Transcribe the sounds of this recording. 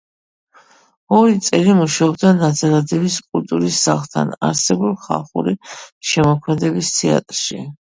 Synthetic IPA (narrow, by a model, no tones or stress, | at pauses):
ɔɾit̪sʼɛlimuʃaɔbd̪anad̪zaɾad̪ɛbiskʼult̪ʼuɾisːaχlˠt̪ʰa̰na̰ɾsɛbulˠχa̰lˠχṵɾiʃɛmɔkʰmɛd̪ɛbist̪ʰɛa̰t̪ʼɾʃḭ